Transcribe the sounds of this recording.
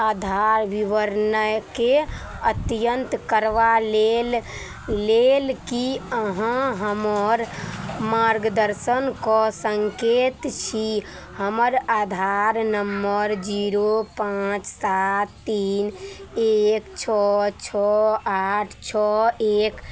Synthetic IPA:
ad̪ʱaɾʋiʋəɾnəjke | ət̪jənt̪kəɾʋalel | lelkiəɦãɦəməɾmaɾɡəd̪əɾsənkɔsəŋket̪t͡ʃʰi | həməɾad̪ʱaɾnəmːəɾd͡ʒiɾopãt͡ʃsat̪ːinekt͡ʃʰɔt͡ʃʰɔaʈʰt͡ʃʰɔek

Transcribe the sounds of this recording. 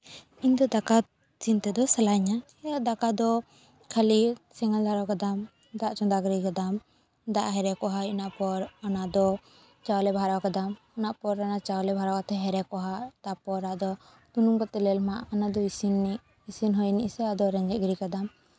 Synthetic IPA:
iɲd̪ɔd̪aka | t͡ʃint̪ɛd̪ɔsalaɲa | ad̪akad̪ɔ | kʰalisɛŋald̪ʱaɾawkad̪am | d̪aʔt͡ʃɔnd̪aɡɾikad̪am | d̪aʔɦɛɾɛkɔɦainaʔpɔɾanaʔd̪ɔ | t͡ʃawlɛbʱaɾawkad̪am | ɔnaʔpɔɾanat͡ʃawlɛbʱaɾawkat̪ʰɛɦɛɾɛkɔɦad̪apɔɾɾaʔd̪ɔ | t̪unumkɔt̪ɛlɛlmaʔanad̪ɔisini | isinɦɔjniʔsɛad̪ɔɾɛɲd͡ʒɛʔ̚ɡɾikad̪am

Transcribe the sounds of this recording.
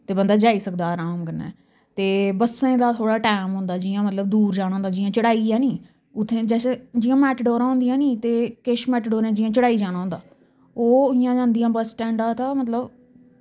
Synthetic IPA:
t̪eːbənd̪aːd͡ʒaːiːsəkd̪aːɾaːmkənɛ̰ː | t̪eːbəsẽːd̪aːt̪ʰoːɽaːʈaːmɦʊ̃nd̪aːd͡ʒɪːãːmət̪ləb̚d̪uːɾd͡ʒaːɽ̃ːnd̪aːd͡ʒɪjãːt͡ʃəɽaːiːãːnĩː | ʊt̪ʰːẽːd͡ʒɛːsẽd͡ʒɪjãːmɛːʈɖɔːɾãːɦõnd̪ɪjãːnĩːt̪eːkeʃmɛːʈɖoːɾẽːd͡ʒɪjãːt͡ʃəɽaːiːd͡ʒaːɽ̃aːɦʊ̃nd̪aː | oːɪjãːd͡ʒãːnd̪ijãːbəsʈɛ̃ːɳɖãːt̪ãːmət̪ləb

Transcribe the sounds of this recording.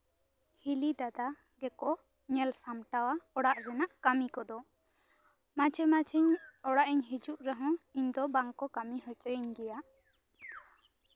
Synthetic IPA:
hilid̪ad̪a | ɡɛkɔ | ɲɛlsamʈawaɔɽaʔɾɛnaʔkamikɔd̪ɔ | mat͡ʃʰɛmat͡ʃʰɛɲɔɽaʔiɲɦid͡ʒuʔɾɛɦɔ̃iɲd̪ɔbaŋkɔkamihɔt͡ʃəjiɲɡɛjaʔ

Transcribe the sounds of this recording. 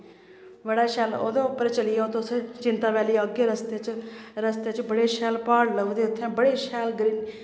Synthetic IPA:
bəɽaːʃɛːlo̰ːd̪õːʊpːəɾt͡ʃəlɪjaːot̪õst͡ʃɪnt̪aːʋɛːliːoɡeːɾəst̪eːt͡ʃɾəst̪eːt͡ʃbəɽeːʃɛːlpaːɽləud̪eːʊt̪ʰːɛ̃ːbəɽeːʃɛːlɡɾiːn

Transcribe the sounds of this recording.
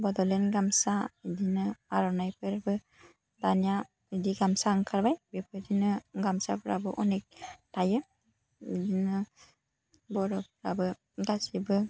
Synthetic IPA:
bɔdɔlenɡamsaidinɯaɾɔnajpʰɯɾbɯ | danija | idiɡamsaŋkʰaɾbajbepʰɯdinɯɡamsa̰pʰɯɾa̰bɯʔɔnek̚tʰajɯ | idinɯ | bɔɾɔp̚ʰɯɾabɯ | ɡasibɯ

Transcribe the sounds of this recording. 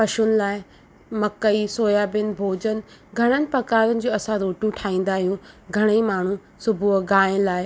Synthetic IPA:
pɐʃʊnɪ̆laːɪ | mɐkəisoːjaːbɪnɪ̆bʱoːd͡ʑənɪ̆ | ɡʱɐɽ̃ənɪ̆pɐkaːɾənɪ̆d͡ʑoːɐsãɾoːʈjũʈʰaːĩːn̆d̪aːɦijũɡʱɐɽ̃imaːɳ̤ũ | sʊbʱʊɡaːɪnlaːɪ

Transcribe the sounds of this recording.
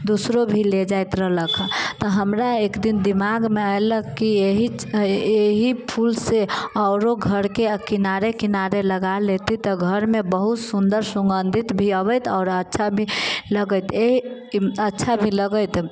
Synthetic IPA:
d̪usɾobʱiled͡ʒajt̪ɾələkʰt̪ɔɦəmɾaekd̪ind̪imaɡmealəkːieɦieɦipʰulseɔːɾoɡʱəɾkekinaɾekinaɾeləɡalet̪it̪ɔɡʱəɾmẽbəɦut̪sund̪əɾsə̃ŋɡənd̪ʱit̪bʱiəβət̪ɔːɾətːʃʰabʱiləɡət̪eɦi | ətːʃʰabʱiləɡət̪

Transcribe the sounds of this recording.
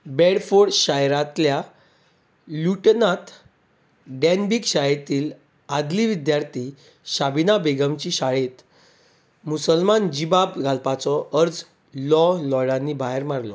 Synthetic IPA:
bɛɽfoɽɕajɾat̪lja | luʈnat̪ | ɖɛnbikɕajet̪iːl | ad̪liʋid̪jaɾt̪ʰi | ɕabinabeɡəmt͡ɕiɕaɭet̪ | musəlmand͡ʑibabɡʱalpat͡sɔʔəɾd͡z | lɔlɔɽanːibʱaɦeɾmaɾlɔ

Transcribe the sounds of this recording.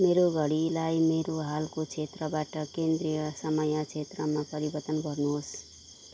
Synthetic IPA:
meɾoɡʱʌɽilajmeɾoɦalkot͡sʰet̪rʌbaʈʌkend̪rijʌsʌmʌjʌt͡sʰet̪rʌmapʌɾibʌrt̪ʌnbʌrnuɦos

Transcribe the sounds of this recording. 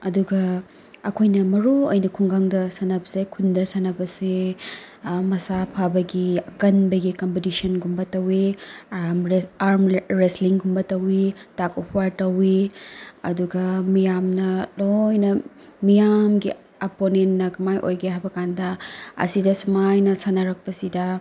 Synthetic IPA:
ɐduɡɐ | ɐkʰojnɐmɐɾuojnɐkʰuŋɡaŋdɐsɐnɐbɐsekʰundɐsɐnɐbɐse | mɐsapʰabɐɡiɐkɐnbɐɡikompetisɐnɡumbɐtɐwi | maɾmɾesliŋɡumbɐtɐwitakopʰwaɾtɐwi | ɐ̰duɡɐmijamnɐlojnɐ | mijamɡi | ɐponentːɐkɐmajʔojɡɐajbɐkandɐɐ̰sidɐsumajnɐsanɐɾɐk̚pɐsidɐ

